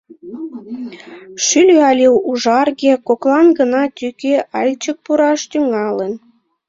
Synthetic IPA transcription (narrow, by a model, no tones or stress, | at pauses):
ʃylʲyɑlʲewuʒɑrɣekoklɑnɡənɑt̪ykeʔɑlʲt͡ɕək̚puɾɑʃt̪yŋɑlən